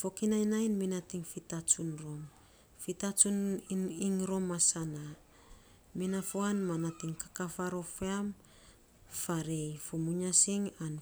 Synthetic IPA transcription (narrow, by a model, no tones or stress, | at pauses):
fo̞kinajnajnminatiŋfitat͡ʃunɾo̞m | fitat͡ʃuniŋɾo̞masana | minafoanmanatiŋkakafaɾo̞feam | faɾejfumuɲasiŋan